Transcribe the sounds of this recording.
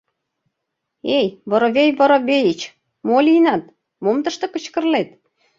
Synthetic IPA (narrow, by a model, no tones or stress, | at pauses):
ejβɤ̆ɾoβejβɤ̆ɾŏβejit͡ɕ | molʲinɑt̪̚ | momt̪ə̆ʃt̪ɤ̆kə̆t͡ɕkə̆rlet̪̚